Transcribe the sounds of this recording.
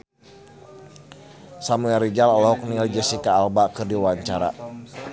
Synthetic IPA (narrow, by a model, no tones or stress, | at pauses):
samuɛɾid͡ʒalɔlɔɦɔk̚niald͡ʒasikaːlbakɨrdiwaɲt͡ʃaɾa̰